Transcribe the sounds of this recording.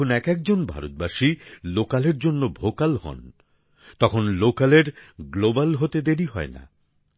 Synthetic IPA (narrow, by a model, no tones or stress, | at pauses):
onɛkɛk̚d͡ʑonbʱa̰ɾot̪̚baʃilokaleɾd͡ʑonːobʱokalhɔ̰n | t̪ɔkʰonlokaleɾɡlobalɦot̪ed̪eɾiɦɔ̰ena̰